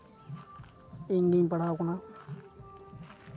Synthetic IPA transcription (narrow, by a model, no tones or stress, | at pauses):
iŋɡiɲpaɽaːkuna